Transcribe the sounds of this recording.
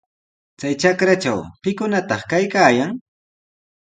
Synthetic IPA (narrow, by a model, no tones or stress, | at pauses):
t͡sajt͡ʃakɾat͡ʃa̰wpɪkʊnat̪ɑχkajkaːjaŋ